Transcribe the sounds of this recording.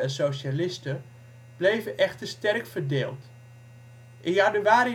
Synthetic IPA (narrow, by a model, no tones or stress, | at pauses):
ɛnsowʃalɪstə | b̥lejvəʔɛxtərstɛrkfərdeːlˠt | ʔɪjanyʋaːɾi